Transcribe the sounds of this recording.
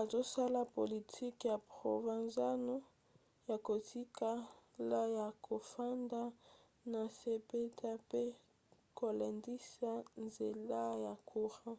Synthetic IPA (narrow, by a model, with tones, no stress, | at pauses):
a˨zo˦sa˦la˦po˨li˨tʰi˦kja˨pʁo̰˨va˨nza˦no˦ | ja˨ko˨tʰi˦ka˦la˦ja˨kʰo˨fa˦nda˦ | na˨se˦pe˦tʰa˦pe˦ | ko˨lɛ˨ndi˦sa˦nze˨la˦ja˨kʰo˦ʁã˦